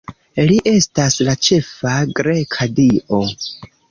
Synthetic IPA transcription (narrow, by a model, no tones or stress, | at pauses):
liʔe̞staslat͡ʃe̞faɡɾe̞kʰadiʔo̞